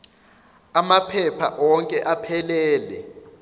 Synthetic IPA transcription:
amapʰɛpʰa̰ʔɔŋkʼɛʔapʰɛlɛːlɛ

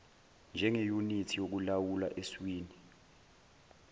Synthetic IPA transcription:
nd͡ʒʱɛŋejunitʰijok̬ulawulaʔeswiːni

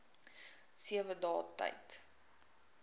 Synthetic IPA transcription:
siəvədɑːtɐ̰jt

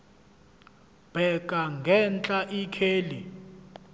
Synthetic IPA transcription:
b̥ʱɛk̬ʼaŋɡʱɛnt͡ɬʼaʔikʰeːlḭ

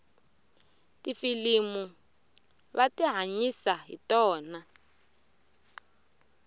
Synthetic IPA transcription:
tifilimu | βatiɦaɲisaɦḭtɔːna

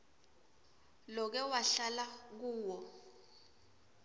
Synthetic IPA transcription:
lɔk̬ɛwaɬalak̬uːwɔ

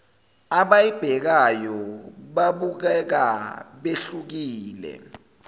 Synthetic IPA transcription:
aɓajib̥ʱɛk̬ajɔɓaɓuk̬ɛk̬aɓeɬuk̬iːlɛ̰

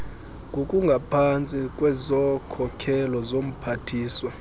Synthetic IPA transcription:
ɡʱokʼuŋɡʱapʰant͡sʼikʼwɛzɔkʰɔkʰɛlɔzom̩pʰatʰiːswa

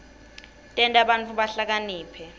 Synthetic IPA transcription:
tʼɛntʼaɓant͡fʰuɓaɬak̬aniːpʰɛ

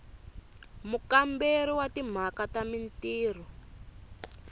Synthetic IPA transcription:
mukambeɾiwatim̤akatamintiːr̤ɔ

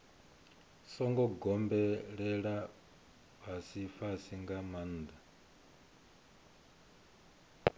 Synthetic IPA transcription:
sɔŋɡɔɡɔmbɛɺɛɺa | βasifasiŋɡamand̪a

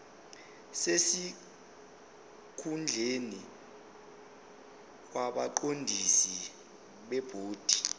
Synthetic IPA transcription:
sesi | kʰund͡ɮʱeni | waɓaǃondʱisi | ɓɛb̥ʱoːd̥ʱi̥

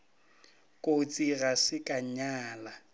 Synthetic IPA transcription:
kʼot͡sʼirasɪkʼaɲaːla

